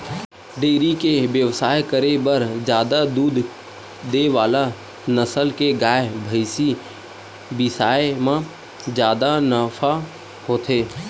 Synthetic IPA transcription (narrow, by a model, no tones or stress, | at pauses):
ɖeːɾikeʋjəʋsaːjkəɾebəɾd͡ʒjaːd̪ad̪uːd̪ʱ | d̪eʋaːla | nəsəlkeɡaːebʱəɪsi | bɪsaːemã | d͡ʒjaːd̪anəfʰa | hoːt̪ʰeː